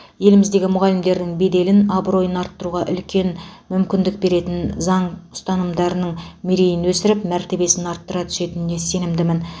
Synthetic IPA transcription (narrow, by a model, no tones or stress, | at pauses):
je̞lɪmɪzd̪e̞ɡʲɪmʊʁɑlɪmd̪e̞ɾd̪ɪŋbe̞d̪e̞lɪnɑbɾo̞jənɑɾt̪ːəɾuʁɑʔʏ̰lkʲʰe̞nmʏmkʲɪnd̪ɪk̚be̞ɾe̞t̪ɪnzɑɴʊ̥st̪ɑnəmd̪ɑɾənəɴmiɾejɪnwɵsɪɾɪpmæɾt̪e̞be̞sɪnɑɾt̪ːəɾɑt̪ʰʏ̥se̞t̪ɪnɪne̞se̞nɪmd̪ɪmɪn